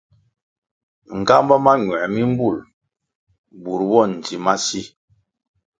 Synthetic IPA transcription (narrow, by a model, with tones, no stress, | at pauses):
ŋ̩˨ɡa˦mbɔ˦ma˦ɲwɛ˨mi˦m̩˦bu˦˨l | bu˨ɾwɔ˦˨n̩˨d͡ʒi˨ma˦si˦